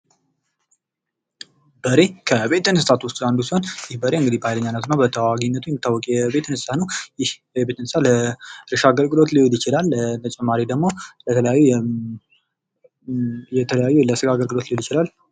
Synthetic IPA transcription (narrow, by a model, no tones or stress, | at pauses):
b̥əɾe̞kʰəβe̞t̪ːɨnɨsɨsat̪wʊst̪ʼand̪usihonjɪhbəɾe̞ɨŋɡɨd̪ibəhajləɲːanːət̪nːabət̪ʰəwaɡiɲnːət̪ʰujɪmːɪt̪ːawːɔkʼjɛbe̞t̪ʰːɨnsɨsʰat̪nəwjɪh | jɛbe̞t̪ɨnsaləɾɨʃaɡəlɡɨlo̞t̪lijoljɪt͡ʃɪlalt̪ʰət͡ʃʼɛmːaɾid̪əɡmo̞lət̪ʰələjajːu | jɛt̪ʰələjajːuləsɨɡaɡəlɡɨlo̞t̪lioljɪt͡ʃɪlal